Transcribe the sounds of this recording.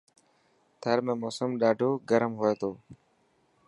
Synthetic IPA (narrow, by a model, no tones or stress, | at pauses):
t̪ʰəɾmẽːmoːsəmɗaːɖʱoːɡəɾəmɦoːeːt̪ʰoː